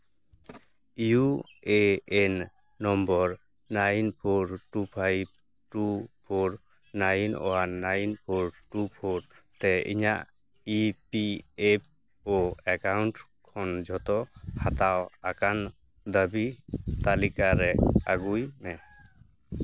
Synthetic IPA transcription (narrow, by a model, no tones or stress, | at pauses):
ju | eɛnː | ɔmbɔɾ | najnpʰoɾʈupʰajb̚ | ʈupʰoɾ | najnɔ̰wanajnpʰoɾʈupʰoɾt̪ɛḭɲa̰ʔ | ipiep̚ | ɔekawɳʈ | kʰɔnd͡ʒʱɔt̪ɔhat̪awakan | d̪əbit̪alikaɾɛa̰ɡujmɛ